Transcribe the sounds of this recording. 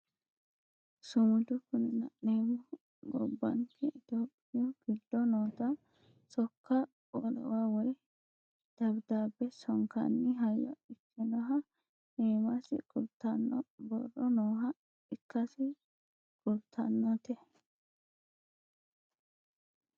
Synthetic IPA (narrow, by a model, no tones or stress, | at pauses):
sʊmʊd͡ʒ̪ʊkʊnɪnɐ̰ʔneːmʊ | ɡɔ̰bːɐ̰ŋkʰɛɪt̪oːpʼːɪjɔɡ̥ɪd̪ːɔnoːt̪ɐ | sɔkːɐ | olɔ̰waːwɔj | d̪̥ɐbd̪aːbːɛsɔŋkɐ̰nːɪɦɐjːɔ̰ɪkʰːɪnɔɦɐ | neːmɐsɪ̰kʊɾt̪ɐnːɔbɔ̰rːɔnoːɦɐ | ɪkːɐsɪ | ɡ̥ʼʊɾt̪ʰɐ̰nːɔt̪ɛ